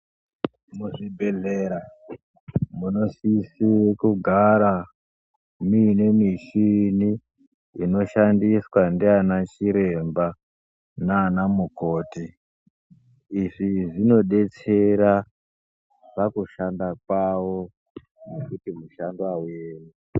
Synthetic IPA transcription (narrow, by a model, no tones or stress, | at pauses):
muʐibʱe̞ɮeɾa | muno̞sisiwekuɡʱaɾa | mine̞miʃini | ino̞ʃandiswandianat͡ʃiɾe̞mba | naːnamuko̞ːti | ʐiʐino̞ɗe̞t͡se̞ɾa | ʐakuʃandakwawo̞ | ne̞kutimuʃanduawueːni